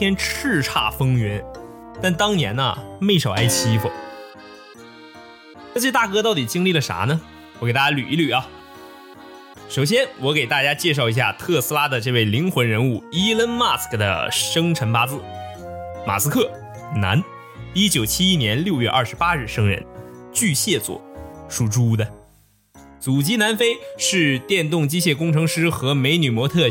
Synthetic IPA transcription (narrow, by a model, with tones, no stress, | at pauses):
jɛ˥nʈ͡ʂʰɻ̩˥˧ʈ͡ʂʰa̰˥˩fɤ˥ŋɥɛ˧˥n | t̪a˥˩nt̪ɑ˥ŋnjɛ˧˥nɐ̰˧me˥˩ɪʂɑ˨˩ʊa˥ɪɕʰi˥fṵ˨˩˥ | t͡ɕt̪a˥˩kɤ˥t̪ɑ˥˩ʊt̪i˨˩t͡ɕi˥ŋli˥˩lə˩ʂa̰˧˥nə˨ | wɔ˧˩ke˨˩ɪt̪a˥˩t͡ɕja˥ly̰˨˩i˥˩ly˨˩ɐ˦ | ʂo˨˩ʊɕ̬jɛ˥nwɔ˧˥ke˨˩ɪt̪a˥˩t͡ɕja˥t͡ɕjɛ˥˧ʂ̬ɑ˥˩ʊi˧˥ɕja˥˧t̪ʰɤ˥˩sɹ̩˥la˥d̪ə˨ʈ͡ʂɤ˥˧we˥˩ɪli˧˥ŋxwə˧˥nɻə˧˥nu˥˩i˥lə˥nma˥˩skd̪ə̰˨ʂɤ˥ŋʈ͡ʂʰə˧˥npa˥t͡sɹ̩˧ | ma̰˨˩sɹ̩˥kʰɤ˥˩ | na̰˧˥n | i˥t͡ɕjo˨˩ʊt͡ɕʰi˥i˥njɛ˧˥nljo˥˧ʊɥɛ˥˧ʔɐ̰˥˩ʂ̩˧˥pa˥ɻɻ̩˥˩ʂɤ˥ŋɻə̰˧˥nt͡ɕy˥˧ɕjɛ˥˩t͡swɔ̰˨˩˦ʂu˥˩ʈ͡ʂu˥˧d̪ə˨ | t͡su˨˩t͡ɕi˥na˧˥nfe˥ɪʂɻ̩˥˧t̪jɛ˥˧nt̪̬ʊ˥˩ŋt͡ɕi˥ɕ̬jɛ˥˩kʊ˥ŋʈ͡ʂʰɤ˧˥ŋʂɻ̩˥xɤ˧˥me˧˥ɪny˨˩mwɔ˧˥t̪ʰɤ˥˩